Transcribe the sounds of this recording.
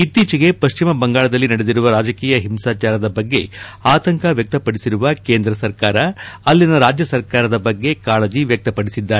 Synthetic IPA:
it̪ːiːt͡ʃiɡe̞pɐʃt͡ʃimɐbɐŋɡaːɭɐd̪ɐlːinɐɽed̪iɾuʋɐɾaːd͡ʒɐkiːjɐɦimsaːt͡ʃaːɾɐd̪ɐbɐɡːe̞̰aːt̪ɐŋkɐʋjɐk̚t̪ɐpɐɽisiɾuʋɐke̞ːnd̪ɾɐsɐɾkaːɾɐɐlːinɐɾaːd͡ʒjɐsɐɾkaːɾɐd̪ɐbɐɡːe̞kaːlɐd͡ʒiʋjɐk̚t̪ɐpɐɽisid̪ːaːɾe

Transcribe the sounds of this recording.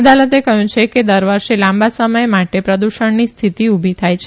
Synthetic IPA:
d̪alət̪ekəɦjũt͡ʃʰeked̪əɾʋəɾʃelãmbasəməjmaʈepɾəd̪uʃəɳnist̪ʰit̪iubʱit̪ʰajt͡ʃʰ

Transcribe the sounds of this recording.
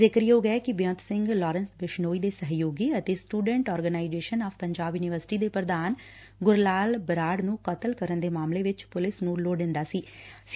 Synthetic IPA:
zɪkɾijoːɡɛɛkɪbjə̃nt̪sɪ̃ŋɡlɔːɾənsbɪʃnoːiːd̪eːsəɦjoːɡiːət̪eːsʈuːɖɛ̃ɳʈɔːɾɡənaːɪd͡ʒeːʃənaːfʰpəɲd͡ʒaːbjʊnɪʋəɾsɪ̥ʈiːd̪eːpɾəd̪aːn | ɡʊɾlaːlbəɾaːɖnũːkət̪əlkəɾənd̪eːmaːmleːʋɪt͡ʃpʊlɪsnũːloːɖɪ̃nd̪aːsiː

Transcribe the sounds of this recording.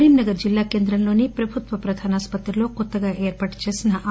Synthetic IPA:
ɾiːmnɐɡɐɾd͡ʒilːaːkeːnd̪ɾɐnloːnipɾɐbʱut̪ʋɐpɾɐd̪ʱaːnaːspɐt̪ɾɐloːkot̪ːɐɡaʔeːɾpaʈt͡ʃɐsɐnɐʔa

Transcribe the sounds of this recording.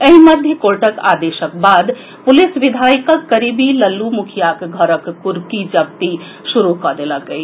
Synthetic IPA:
əɦĩməd̪ʱjəkoɾʈəka̰d̪eʃək̚bad̪ | pʊlisʋid̪ʱaikəkːəɾibiləlːumukʰjakɡʱəɾəkpuɾkid͡ʒəb̚t̪i | ʃuɾukəd̪eləkəi

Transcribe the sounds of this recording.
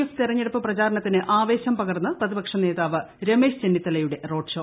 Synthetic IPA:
eft̪irɐɲːeɽupːɨprɐt͡ɕaːɾɐɳɐt̪ːinɨʔaːʋe̞ːɕɐmpɐɣɐrnːɐprɐðibɐkʂɐne̞ːðaːʋɨɾe̞me̞ːɕt͡ɕenːit̪ːɐlɐjuɽe̞ro̞ːɖʂoː

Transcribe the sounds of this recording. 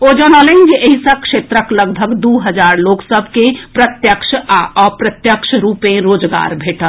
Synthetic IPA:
od͡ʒənɔlənd͡ʒeʔeɦisə̃kʃet̪ɾəkləɡbʱəɡd̪uɦəd͡ʒaɾloksəbʱkepɾət̪jəkʃaɔpɾət̪jəkʃʰɾupẽɾod͡ʒɡa̰ɾbʱeʈəl

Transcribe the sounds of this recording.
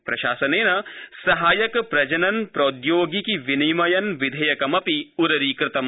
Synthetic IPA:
pɾɐʃaːsɐneːnɐsɐɦaːjɐkpɾɐd͡ʒɐnɐnpɾoːd̪joːɡikiʋinimɐjɐnʋid̪ʱɐjɐkɐmɐpiuɾɐɾiːkɾɪt̪ɐm

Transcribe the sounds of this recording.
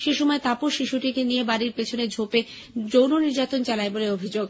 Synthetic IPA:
ʃeʃɔmɔet̪apoʃʃiʃuʈikenijebaɾiɾpet͡ɕʰoned͡ʑʱope | d͡ʑownoniɾd͡ʑat̪ont͡ɕalaeboleobʱid͡ʑoɡ

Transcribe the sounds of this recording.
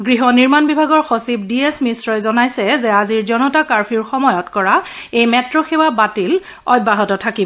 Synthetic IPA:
ɡɹiɦɔniɹmanbibʱaɡɔɹxɔsip̚diesmisɹɔjzɔnajsɛzɛaziɹzɔnɔtakaɹpʰiɹxɔmɔjɔtkɔɹa | ejmɛtɹɔxewabatil | ɔj̚baɦɔtɔtʰakibɔ

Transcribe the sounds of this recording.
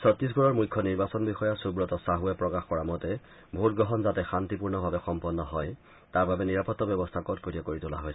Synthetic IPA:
sɔtɹis̬ɡɔɹɔɹmujkʰːɔniɹbasɔnbixɔjasubɹɔtɔsaɦuɛpɹɔkaxkɔɹamɔtɛ | bʱutɡɹɔɦɔnzatɛxantipuɹnɔbʱabɛxɔmpɔnːɔɦɔj | taɹbabɛniɹapɔtːɔbjɔbɔstʰakɔtkoɹiɛkoɹitʊla̰ɦojsɛ

